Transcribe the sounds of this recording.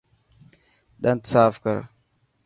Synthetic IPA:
ɗantt͡saːfka̰ɾ

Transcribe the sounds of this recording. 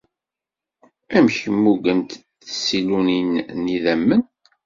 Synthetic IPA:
æmçəmːuɡənt̪ | siluninːiðæmːən

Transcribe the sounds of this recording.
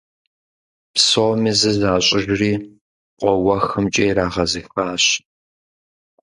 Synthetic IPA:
psoːmizɨzaːɕʼɪʒriː | qʷʼɔwɐxɨmt͡ʃʼeːɾaːʁɐzɨxpaːɕ

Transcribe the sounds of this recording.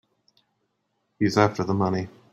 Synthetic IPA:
hizæftə˞ðəmʌni

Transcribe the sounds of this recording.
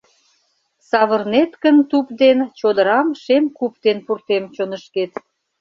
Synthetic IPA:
sɑβərnet̪kənt̪upd̪ent͡ɕod̪əɾɑmʃemkup̚d̪enpurt̪emt͡ɕonəʃket̪

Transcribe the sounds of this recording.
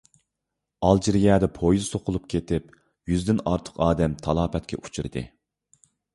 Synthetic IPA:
ɑlˠd͡ʒiɾijɑːd̪ɛpʰojzsoqʰʊlˠup̚kʲʰet̪ɪp | jyzd̪ɪnɑɾt̪ʰə̥qɑːd̪ɛmt̪ʰɑlˠɑːpʰɛt̪̚kʲʰɛ̰ʔu̥t͡ʃʰiɾɨd̪ɨ̰

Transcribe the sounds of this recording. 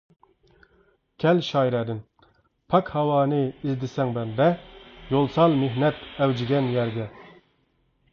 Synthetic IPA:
kʲʰɛlʃɑːjɾɛːd̪ɪn | pʰɑkhɑwɑːnɨizd̪ɪsɛŋbɛnd̪ɛjolˠsɑlˠmeɦnɛt̪ɛwd͡ʒɪɡʲɛnjæɾd̪ʲɛ

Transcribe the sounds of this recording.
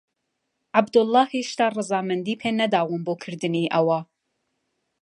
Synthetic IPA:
ʔabd̪ʊlːɑːheʃt̪aːrˤɨzɑːmɐnd̪iːpʰeːnɐd̪aːwɨnboːkʰɨɾd̪ɨniːʔɐwɐ

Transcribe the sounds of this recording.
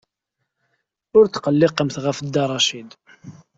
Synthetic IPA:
ʊɾt̪ːqəlːɪqəmθʁəfəd̪ːɑɾˤɑʃid̪

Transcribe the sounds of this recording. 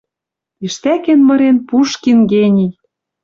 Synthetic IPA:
iʃt̪ækenmɤ̆ɾenpuʃkinɡenʲij

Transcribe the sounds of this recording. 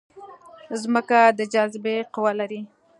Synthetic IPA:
zməkad̪əd͡ʒazɪbeqʊwalaɾi

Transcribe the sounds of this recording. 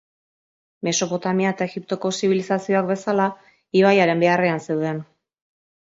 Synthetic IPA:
me̞so̞po̞t̪amiaet̪ae̞ɣip̚t̪o̞ko̞siβ̞ilisasio̞akbe̞sala | iβajaɾe̞mbe̞are̞anse̞wð̞e̞n

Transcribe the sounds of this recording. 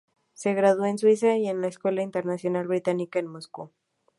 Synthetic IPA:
se̞ɣɾaðwoenswis̬aje̞nlaeskwe̞laint̪eɾnasjo̞nalβɾit̪anikaenmosku

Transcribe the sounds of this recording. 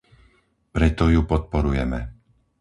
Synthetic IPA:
pɾɛt̪ɔjupɔt̪̚pɔɾujɛmɛ

